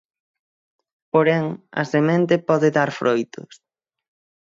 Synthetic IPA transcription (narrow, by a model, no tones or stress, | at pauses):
poɾɛŋɐ̰semẽnt̪epɔðeðaɾfɾojt̪ʊ̰s